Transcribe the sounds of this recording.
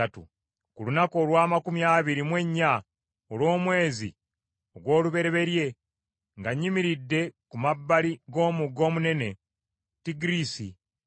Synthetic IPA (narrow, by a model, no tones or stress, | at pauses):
atṵ | kulunako̞ːlwaːmakumjaːβiɾimwe̞ɲːa | olwo̞ːmwe̞ːzḭ | oɡwo̞ːluβe̞ɾe̞βe̞ɾje̞ | ŋɡaɲːimiɾidːe̞kumabːaliɡo̞ːmuɡo̞ːmune̞ne̞ | tiɡiɾisi